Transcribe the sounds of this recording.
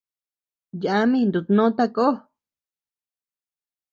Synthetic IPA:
ja˨a˧˦mĩ˦˧nd̪u˨t̪nõ˦t̪a˦ko˦

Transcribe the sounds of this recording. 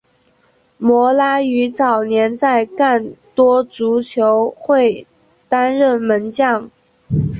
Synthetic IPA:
mwɔ˧˥la˥y˧˥t͡sɑ˨˩ʊnjɛ˧˥nt͡sa˥˧ɪka˥˩nt̪wɔ˥t͡su˧˥t͡ɕʰjo˧˥ʊxwe˥˩ɪ | t̪a˥nɻə˥˩nmə˧˥nt͡ɕjɑ˥˩ŋ

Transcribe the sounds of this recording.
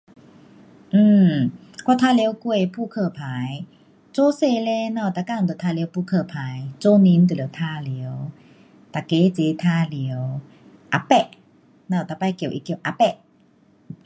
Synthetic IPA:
ʔɨ˧˩ | kɔ˧˨t̪ʰaː˧li˧˦wku˧ə˨jpʰuː˧˨kʰɤː˧˩pʰa˨˦j | t͡soː˧˦se˧˨le˧˦nɔ˧˩˨t̪a˧˩ka˧˨ŋt̪t̪ʰa˧li˧˦wpʰuː˧˨kʰɤː˧˩pʰaː˨˦jt͡so˧˦ni˧˦nt̪li˨˧˦wt̪ʰa˧li˨˦ə˦w | t̪a˨˩ke˧˦t͡se˨˧˦t̪ʰaː˧li˨˦ə˧w | ʔa˧˦pɛ˧ʔ | na˧˩˨t̪a˧˩pa˧˨jki˧˩˨wʔḭ˧˨ki˧˩˨wʔa˧˦pɛ˧˩ʔ

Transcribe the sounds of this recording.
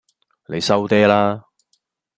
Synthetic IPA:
ne˨˧jsɐ˥wt̪ɛː˥laː˥

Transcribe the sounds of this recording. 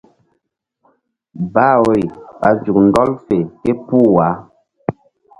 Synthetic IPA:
ba˦wo˨i˨pa˨˦zu˨k̚n̩˨dɔ˦lfe˨kɛ˦pu˦˨wa˨˦

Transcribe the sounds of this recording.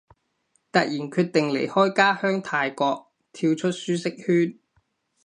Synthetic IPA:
t̪ɐ˨k̚jiː˨˩nkʰyː˧t̚t̪ɪ˨ŋlḛ˨˩jhɔː˥jkaː˥hœː˥ŋt̪ʰaː˧jkɔː˧k̚ | t̪ʰiː˧wt͡ʃʰɵ˥t̚syː˥sɪ˥k̚hyː˥n

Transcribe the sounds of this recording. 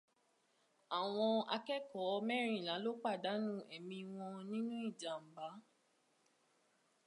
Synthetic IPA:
a˨w̃ɔ̃˧a̰˧kɛ˦kɔ˨˦˧mɛ˦ɾ̃ĩ˦˨lã˨˦lo˦k͡pa˦˨da˨˦nũ˦ɛ˨mĩ˧w̃ɔ̃˧nĩ˦nũ˦i˦˨d͡ʒa˨m̩˨ba˨˦

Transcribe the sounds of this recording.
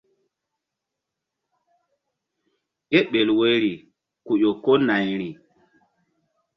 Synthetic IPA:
ke˦ɓe˨lwe˦ɾi˨ | ku˨ʄo˨ko˦na˨jɾi˨

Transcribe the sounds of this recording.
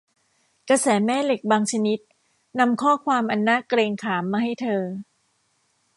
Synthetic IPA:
ka˧sɛː˩˦mɛː˥˩le˨˩k̚baː˧ŋt͡ɕʰa˧ni˦˥t̪̚ | na˧mkʰɔː˥˩kʰwaː˧mʔa˧nːaː˥˨kɾeː˧ŋkʰaː˩˦mːaː˧ha˥˩jt̪ʰɤː˧

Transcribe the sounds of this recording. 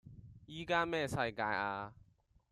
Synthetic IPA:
ji˦ɡa˦mɛ̃˦˨sa˦˨ɪ̃˨kã̰˨j̃ʔa˦

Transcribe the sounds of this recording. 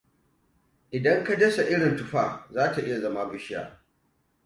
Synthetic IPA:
ʔɪ˨dɐ˦ŋka˦dɐ˦sa˨ʔɪ˦ɽɪ˨ntʊ˨ɸaː˦˨zaː˦ta˨ʔɪ˦ja˨zɐ˦ma˦bʊ˦ʃɪ˦ja̰ː˨

